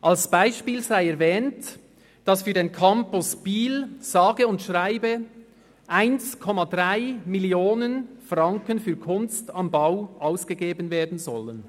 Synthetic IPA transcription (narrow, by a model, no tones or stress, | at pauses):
ʔɑlsb̥aɪʃpiːlzaɪɛɐvɛːnt | d̥ɑsfyːɾdeːnkʰɑmpʊsb̥iːlz̥ɑːɡəʊntʃʁaɪbə | ʔaɪnskʰɔmɑdʁaɪmɪljoːnənfrɑŋkənfyːɐkʰʊnstɑmbaʊʔaʊsɡ̥əɡeːbənveːɐdn̩zɔlən